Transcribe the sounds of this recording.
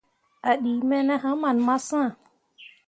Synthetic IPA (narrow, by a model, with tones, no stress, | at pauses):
a˨ɗi˨mɛ˦nɛ˦ɦã˦ma˨nma˦sã˦˨